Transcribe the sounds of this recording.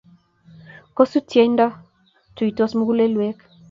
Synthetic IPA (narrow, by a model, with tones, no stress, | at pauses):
ko˦su˦tjɛ˦nda˦ | tu˨i˨tɔ˦smu˦ɡu˦le˦lwɛ˦k